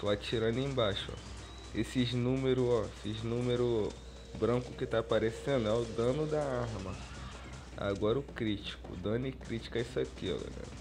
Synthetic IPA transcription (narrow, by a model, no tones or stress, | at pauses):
t̪oat͡ʃiɾɐ̃nd̪ʊẽj̃baʃʊɔ̰ | esɪnũmeɾʊɔesɪznũmeɾʊ | bɾɐ̃kʊkɪt̪apaɾesẽnd̪ʊɛʊd̪ɐ̃nʊd̪ɐaɾmɐ | a̰ɡɔɾɐʊkɾit͡ʃi̥kʊ̰d̪ɐ̃nʊɪkɾit͡ʃi̥kɐɛisakiɔ̰lɛ̰ɡɛ̰